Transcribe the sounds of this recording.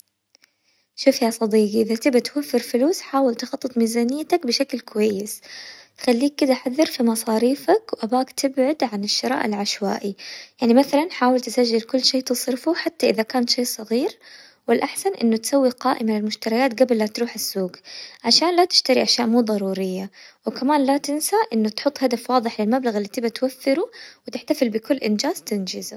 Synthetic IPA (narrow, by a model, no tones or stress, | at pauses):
ʃuːfjasˤɑd̪iːɡiʔɪðat̪ɪbat̪wafːɪɾfʊluːsħaːwɪlt̪xɑt̪ˤːɨt̪ˤmiːzaːnɪjːat̪akbɪʃaklkʊwajːɪsxalːiːk̚ːɪd̪aʔħaðːɑɾfimɑsˤɑːɾiːfakwʔabaːkt̪ɪbʕʊd̪ʕanɪʃːɪɾɑ̰ːʔɪlʕaʃwa̰ːʔijaʕnimaθalanħaːwɪlt̪ɪsaʒːɪlkʊlːʃeːt̪ɨsˤɾɪfuħat̪ːaʔɪðakaːnʃeːsˤɑɣiːɾ | wɪlʔaħsanʔɪ̰nːʊt̪sawːiqɑːʔɪmalɪlmʊʃt̪ɑɾˤɑjaːt̪ɡablːat̪ɾuːħɪsːuːɡʕaʃaːnlat̪ɪ̥ʃt̪aɾiʔaʃjaːʔmuːðˤɑɾˤuːɾɪjːawɪkamaːnlat̪ɪnsaʔɪnːʊt̪ħʊt̪ˤːhad̪afwɑːðˤɨħlɪlmablaɣɪlːiːt̪ɪbat̪waθːɪɾuwɪt̪ɪħt̪afɪlbɪkʊlːʔɪnd͡ʒaːz̥t̪and͡ʒɪz